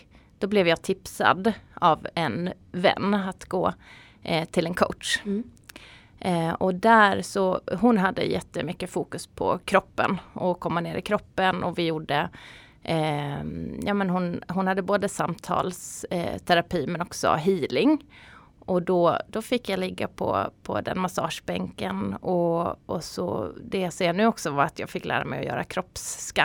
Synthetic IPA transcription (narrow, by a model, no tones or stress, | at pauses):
d̪̥ɔblɛvjɑːt̪ʰɪpsa̰d̪avɛn | vɛ̰nːat̪ɡoː | t̪ʰɪlɛnkʰoʊʈ̪ʂ | ɔd̪æɾsɔɦʊnɦad̪ːə̰jɛt̪ːəmʏkːəfuːkɵspʰɔ̰kʰɾɔpːə̰nʔɔkʰɔmːaneːɾʔɪ̰kʰɾɔpːənɔvɪjuɖə | jɑːmɛnɦʊnɦʊnhad̪ːəboːd̪əsamt̪ʰɑ̰ːlst̪ʰæɾapʰiːmɛnɔksɔ̰ɦiːlɪŋ | ʔɔd̪ɔd̪̥ɔfɪkːjalɪɡːapʰɔ̰pʰɔ̰d̪ɛ̰nmasɑ̰ːʂbɛŋkənɔɔsɔ̰d̪ɛjaseːɳʉ̟ːɔksɔvaɾat̪ʰjɑːɡfɪkːlæ̰ːɾamɛjɔ̰jœ̰ːɾa̰kʰɾɔpːska